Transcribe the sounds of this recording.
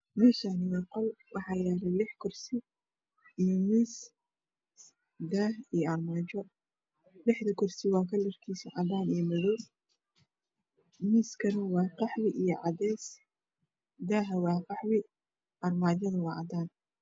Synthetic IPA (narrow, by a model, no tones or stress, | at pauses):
mʊːsanɪwɛqɔlwʔɑħɑːjaːɾɛlɪħkʰɔrsɪ | ijɔmiːs | d̪aːɦijɔɐrmaːt͡ʃɔ | lɪħðɐkʰɔrsɪwɑːkʰɐlɪrkʰiːsiʕɑd̪aːnijɔmɐðuː | miːskʰɐnɐwɑːqɑħwɪʔijɔʕɑdɛːs | d̪aːɦɐwɑːqɑħwɪ | ʔɐrmaːt͡ʃɐðɐwɑːʕɑ̰d̪aːn